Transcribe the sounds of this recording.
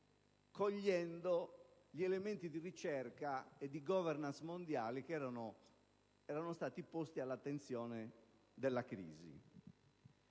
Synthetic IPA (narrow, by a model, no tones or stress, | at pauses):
koʎːɛnd̪o | ʎiɛlement̪id̪irit͡ʃɛrkaed̪ːiɡɔvɛrnansmond̪jaːlik̟ɛɾano | ɛːɾanost̪aːt̪ipost̪ialːat̪ːent̪sjɔːne | d̪elːakɾḭːzḭ